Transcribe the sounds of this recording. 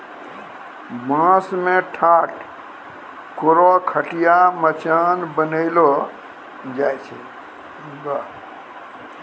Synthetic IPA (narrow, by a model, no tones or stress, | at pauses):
mãsmẽʈʰaʈ | koɾɔkʰəʈijamət͡ʃanbənəɪlɔ | d͡ʒajt͡ʃʰɛ | ɡa